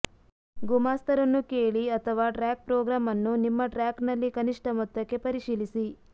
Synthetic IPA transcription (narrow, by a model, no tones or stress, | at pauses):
ɡumaːst̪ʰɐɾɐnːukeːɭiɐt̪ʰɐʋaːʈɾaːk̚pɾɔːɡɾaːmɐnːunimːɐʈɾaːknɐlːikɐniʂʈɐmɔt̪ːɐkːe̞pɐɾiʂiːlisi